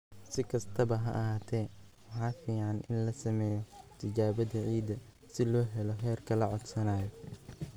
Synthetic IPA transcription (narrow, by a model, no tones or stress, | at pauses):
sɪkʰɐst̪ʰɐβɐɦɐ̰ʔɐɦaːt̪ʰɛːwɑħɑːfiːʕɑnʔɪnlɐsɐmɛːjɔt̪ʰɪt͡ʃaːβɐdɐʕiːd̪ɐ | sɪlɔːɦɛlɔɦɛːrkʰɐlɐʕɔd̪sɐnaːjɔ